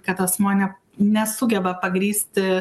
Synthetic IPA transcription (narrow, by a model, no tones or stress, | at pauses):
kɐt̪ɐsmoːnʲɛ | nʲɛsʊɡʲɛbɐpɐɡɾʲiːsʲt̪ʲɪ